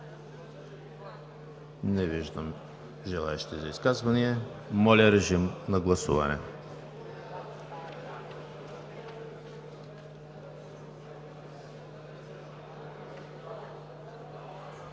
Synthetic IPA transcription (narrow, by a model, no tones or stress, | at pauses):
nɛviʒd̪am | ʒɛlˠaɛʃi̥t̪izaiskazvaniɛ | mɔlʲaɾɛʒimnaɡlˠasṵva̰nɛ̰